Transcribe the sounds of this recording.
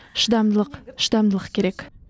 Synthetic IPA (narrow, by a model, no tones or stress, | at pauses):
ʃəd̪ɑmd̪əlˠəqʃəd̪ɑmd̪əlˠəqkʲʰe̞ɾe̞k